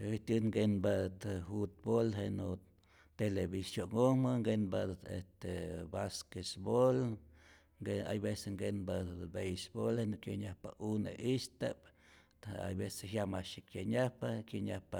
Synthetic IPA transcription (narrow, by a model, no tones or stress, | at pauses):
it̪uŋɡenbad̪t̪fut̪̚bolɦeno | t̪elebisjoŋɡomaŋɡenbad̪ḛst̪ebaskesbol | ɡea̰jbeseŋɡenbabejsbolhenokjeɲahpaʔunḛʔist̪ap | a̰jbeseɦjamaʃikjeɲahpakeɲahpa